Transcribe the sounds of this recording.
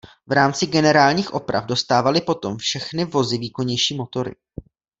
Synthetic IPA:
vɾaːmt͡sɪɡɛnɛɾaːlɲiːxʔo̞pɾa̰vdo̞st̪aːvalɪpo̞t̪o̞mfʃɛxnɪvo̞zɪviːko̞ɲɛjʃiːmo̞t̪o̞ɾɪ̰

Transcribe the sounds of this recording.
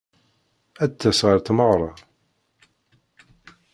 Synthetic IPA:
æt̪ːæsʁəɾt̪məʁɾˤɑ

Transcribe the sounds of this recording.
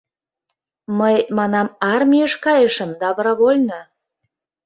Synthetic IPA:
məjt̪mɑnɑmɑrmʲiəʃkɑjəʃə̆md̪ɑβɾɑβolʲnə

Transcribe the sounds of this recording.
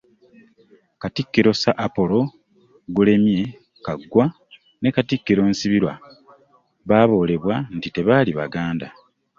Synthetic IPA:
katikːiɾo̞saʔːpo̞lo̞ | ɡule̞mje̞ | kaɡːwa | ne̞katikːiɾo̞ːnsiβiɾwa̰ | βaːβo̞ːle̞βwan̩tite̞βaːliβa̰ɡaːnda

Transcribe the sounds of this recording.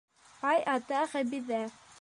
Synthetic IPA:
ɑjʔɑt̪ɑχæbiðæ

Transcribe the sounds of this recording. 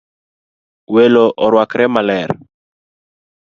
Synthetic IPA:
weloʔɔɾwakɾɛmalɛɾ

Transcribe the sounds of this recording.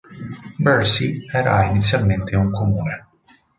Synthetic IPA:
bɛɾsiɛːɾa̰init̪sːjalment̪ʰeuŋkomuːne

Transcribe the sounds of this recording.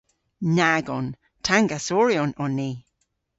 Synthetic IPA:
naɡɔn | tʰaŋɡasɔɹjɔnɔnːi

